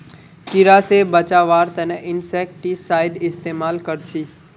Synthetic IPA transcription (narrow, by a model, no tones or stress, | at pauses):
kɪɾaːsebət͡ʃaʋaːɾt̪əneʔɪnsek̚ʈisaːɪɖɪst̪emaːlkəɾt͡ʃʰiː